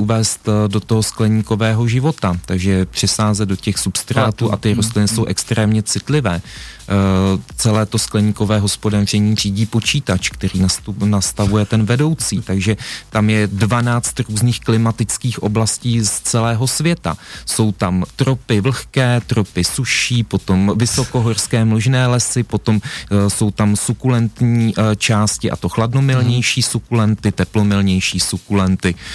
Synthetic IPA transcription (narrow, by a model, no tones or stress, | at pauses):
ʔuvɛːst̪do̞t̪oɦo̞sklɛɲiːko̞vɛːɦo̞ʒɪvo̞t̪at̪aɡʒɛpr̝̥ɪsaːzɛd̪do̞cɛxsupst̪ɾaːt̪uːʔat̪ɪɾos̬t̪lɪnɪso̞wʔɛkst̪ɾɛːmɲɛt͡sɪt̪lɪvɛː | t͡sɛlɛːt̪o̞sklɛɲiːko̞vɛːɦo̞spodaːr̝ɛɲiːr̝iːɟiːpo̞t͡ʃiːt̪at͡ʃkt̪ɛɾiːnanast̪avujɛt̪ɛnvɛdo̞wt͡siːt̪aɡʒɛt̪amjɛdvanaːt͡st̪ɾuːzniːxklɪmat̪ɪt͡skiːxʔo̞̰blasciːst͡sɛlɛːɦo̞svjɛt̪a̰so̞wt̪amt̪ɾopɪvl̩xkɛːt̪ɾopɪsuʃiːpo̞t̪o̞mvɪso̞ko̞ɦo̞rskɛːmloʒnɛːlɛsɪpo̞t̪o̞mso̞wt̪amsukulɛnt̪ɲiːt͡ʃaːscɪʔa̰t̪o̞xladno̞mɪlɲɛjʃiːsukulɛnt̪ɪt̪ɛplo̞mɪlɲɛjʃiːsukulɛnt̪ɪ